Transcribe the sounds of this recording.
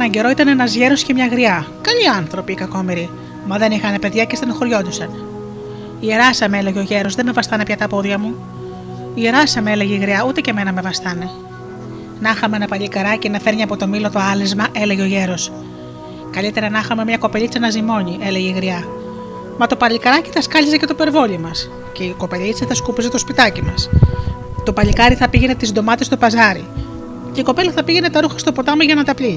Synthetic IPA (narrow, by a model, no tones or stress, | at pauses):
nɐɲɟe̞ɾo̞it̪ɐnenɐzʝe̞ɾoscemɲɐɣɾiɐkɐʎiɐnθɾo̞piːkɐko̞miɾi | mɐðe̞nixɐne̞pe̞ðʝɐcest̪inoxoɾʝo̞d̪usɐn | ieɾɐsɐmeele̞ʝeo̞ʝe̞ɾo̞zðeme̞vɐst̪ɐnepçɐt̪ɐpo̞ðʝɐmu | iʝe̞ɾɐsɐmeele̞ʝeiɣɾiɐut̪e̞ce̞me̞nɐme̞vɐsθɐne̞ | nɐxɐmeenɐpɐʎikɐɾɐcenɐfe̞ɾɲiɐpo̞t̪o̞milo̞t̪o̞ɐlizmɐʔe̞leʝeo̞ʝe̞ɾo̞s | kɐʎit̪e̞ɾɐnɐxɐme̞mɲɐko̞peʎit͡senɐzimo̞ɲiʔe̞le̞ʝeiɣɾiɐ | mɐt̪o̞pɐʎikɐɾɐci̥θɐskɐʎizecet̪ope̞ɾvo̞ʎimɐs | ceiko̞pe̞lit͡sɐθɐskupizet̪o̞spit̪ɐcimɐs | t̪o̞pɐʎikɐɾiθɐpiʝe̞ne̞t̪izd̪o̞mɐt̪est̪opɐzɐɾḭ | ceiko̞pe̞lɐθɐpiʝe̞ne̞t̪ɐɾuxɐ̥st̪o̞po̞t̪ɐmɐzʝɐnɐt̪ɐpʎi